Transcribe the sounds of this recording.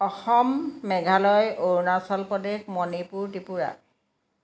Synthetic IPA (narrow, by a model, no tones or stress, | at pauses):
ɔxɔmːɛɡʱalɔjoɹnasɔlpɔdexmɔnipuɹtipuɹa̰